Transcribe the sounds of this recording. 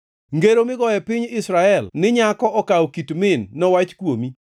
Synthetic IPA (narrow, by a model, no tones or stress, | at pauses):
ŋɡeɾomɪɡɔɛpɪɲɪsɾaɛlnɪɲakɔɔkawkitmɪnːɔwat͡ʃkwomi